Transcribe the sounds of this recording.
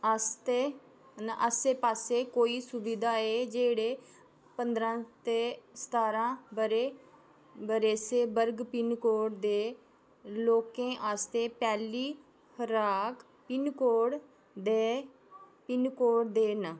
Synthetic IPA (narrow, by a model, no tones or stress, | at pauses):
ast̪eː | nʔəseːpaːseːkoːiːsʊbid̪aːeːd͡ʒeːɽeː | pənd̪ɾãːt̪eːst̪aːɾãːbəɾeː | bəɾeːseːbəɾɡpɪnkoːɽd̪eː | loːkẽːʔaːst̪eːpɛːliː | həɾaːk | pɪnkoːɽ | d̪eː | pɪnkoːɽd̪eːnə